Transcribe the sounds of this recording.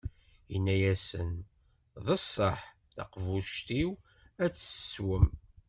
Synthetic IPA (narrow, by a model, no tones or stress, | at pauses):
jənːæjæsən | ðˤəsˤːəħ | θɑ̰qvuʃt̪iw | æt͡sːswəm